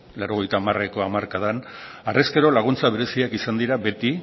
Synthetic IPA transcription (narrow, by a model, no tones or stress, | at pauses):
lawɾo̞ɣ̞e̞jt̪aːmareko̞amaɾkað̞an | areskeɾo̞laɣ̞unt͡saβ̞e̞ɾe̞siakisand̪iɾabe̞t̪i